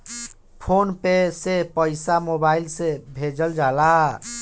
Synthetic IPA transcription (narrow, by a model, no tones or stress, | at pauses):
pʰonpesepəɪsamobailsebʱed͡ʒəld͡ʒala